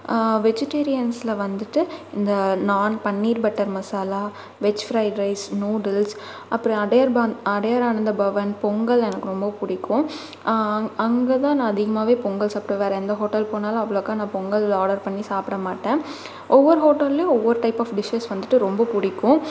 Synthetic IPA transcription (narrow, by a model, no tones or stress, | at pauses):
ʋɛd͡ʒɪʈeːɾɪjɐnslɐʋɐnd̪ɯʈːɯɪnd̪ɐnaːnpɐɳːiːɾbɐʈːɐɾmɐsaːlaː | ʋɛt͡ʃːfɾɐɪɖɾɐɪsnuːɖɐls | ʔɐpːɯɾɔ̃ɐɽɐjɐɾbaɐɽɐjaːɾaːnɯnd̪ɐbɐʋɐnpɔŋɡɐɭɛnɐkːɯɾɔmbɐpʊɽɪkʰːʊ̃ | ɐŋɡɐt̪ãːnãːɐðɪɣɐmaːʋeːpɔŋɡɐlsɐpːɯɾɔ̃ʋeːɾɛ̃ːɛnd̪ɐɦoːʈːɐlpoːnaːlɐɐʋːɐɭkːãːnãːpɔŋɡɐlaːɽɐɾpɐɳːisaːpɪɽɐmaːʈːẽː | ʔɔʋːɐɾɯɦoːʈːɐlːeɔʋːɐɾɯʈɐɪpːɐːfɖɪʃeːsʋɐnd̪ɯʈːɯɾɔmbɐpʊɽɪkːʊ̃